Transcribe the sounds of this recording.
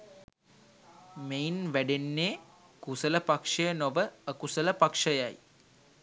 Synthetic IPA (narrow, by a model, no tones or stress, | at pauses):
meinʋæɖenːeː | kusələpakʂəjənoʋəːkusələpakʂəjaj